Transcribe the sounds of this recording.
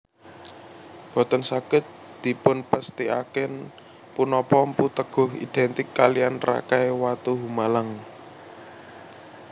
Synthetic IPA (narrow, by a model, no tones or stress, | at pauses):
b̥ɔ̤t̪ənsaɡ̥ə̤t̪̚d̪̥i̤pʊnpəst̪ia̰kɛn | punɔpɔmput̪əɡ̥ɔ̤ɦḭd̪̥ɛnt̪ɪkːalianra̰kajwat̪uɦumalaŋ